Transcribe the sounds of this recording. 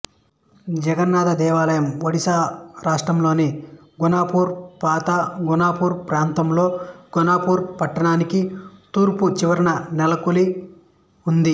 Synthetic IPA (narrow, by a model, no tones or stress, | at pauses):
d͡ʒɛɡɐnːaːd̪ɐd̪ɛːʋaːlɐjɐmʋɐɽisaːɾaːʂʈɾɐmlo̞ːne | ɡunaːpuːɾpaːt̪aɡunaːpuːɾpɾaːnt̪ɐmlo̞ːɡunaːpuːɾpɐʈːɐɳaːnikit̪uːɾput͡ʃiʋɐɾɐnɐnɛlɐkuli | und̪i